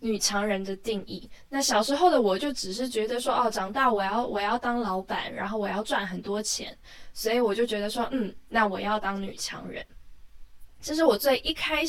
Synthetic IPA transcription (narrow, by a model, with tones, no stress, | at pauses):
ny˨˩t͡ɕʰjɑ˧˥ŋɻə˧˥nd̪ə˧t̪i˥˧ŋḭ˥˩na˥˩ɕjɑ˨˩ʊʂɻ̩˧˥xo˥˩ʊd̪ə˩wɔ˨˩t͡ɕjo˥˩ʊʈ͡ʂɻ̩˨˩ʂ̬ɻ̩˥˩t͡ɕɥɛ˧˥d̪ə˧ʂwɔ˥ʔɔ˥˩ʈ͡ʂɑ˨˩ŋt̪a˥˩wɔ˨˩jɑ˥˩ʊwɔ˨˩jɑ˥˩ʊt̪ɑ˥ŋlɑ˧˥ʊpa̰˨˩nɻa̰˧˥nxo˥˩ʊwɔ˨˩jɑ˥˧ʊt͡swa˥˩nxə˨˩nt̪wɔ˥t͡ɕʰjɛ̰˧˥n | swɔ˧˥i˨wɔ˨˩t͡ɕjo˥˩ʊt͡ɕɥɛ˧˥d̪ə˧ʂwɔ˦˥n̩˥˩na˥˩wɔ˨˩jɑ˥˩ʊt̪ɑ˥ŋny̰˨˩t͡ɕʰjɑ̰˧˥ŋɻə̰˧˦n | t͡ɕʰi˧˥ʂ̬ɻ̩˥˩wɔ˨˩t͡swe˥˩ɪʔi˥˩kʰa˥ɪ